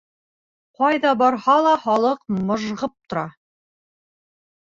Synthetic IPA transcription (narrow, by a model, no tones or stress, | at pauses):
qɑjðɑbɒɾhɑlˠɑχɒlˠɤqmŏʒʁɤp̚t̪ŏɾɑ